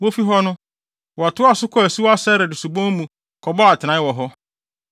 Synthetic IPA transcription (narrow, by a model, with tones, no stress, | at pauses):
wo˦fi˦ɦɔ˦nʊ̃˦ | wɔ˨a˨tʰʊ˦a˨sʊ˦kʰɔ˦æ˨su˦a˦sɛ˦ɾɪ˨dʊ˨su˨bɔ̃˦mũ˨ | kʰɔ˨bɔ˦a˨tʰɪ˨nã˨˦ɪ˦wɔ˨ɦɔ˦